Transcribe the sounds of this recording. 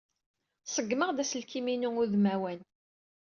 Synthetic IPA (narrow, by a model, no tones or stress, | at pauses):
səɡməʁd̪æsəlkiminuŋʊðmæwæn